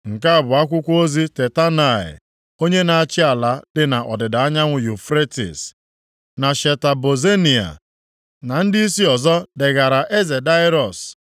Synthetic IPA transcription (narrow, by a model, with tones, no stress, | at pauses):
ŋ̩˨ka˦a˦˨bʊ˨a˦kʷʊ˦kʷo˦zi˦te˨ta˦na˨ɪ̰˨ | o˦ɲe˦na˨a˦˨t͡ʃɪ˦a˨la˦dɪ˨na˨ʔɔ˨dɪ˨da˨a˦ɲa˦ŋʷʊ˨ju˨fɾe˦tḭ˨s | na˨ʃe˨ta˨bo˨ze˦ni˨a̰˨ | na˨n̩˦dɪ˦i˦si˦ɔ˨zɔ˦dɪ˨ɣa˨ɾa˨ʔe˦ze˨da˦ɪ˦ɾɔ˨s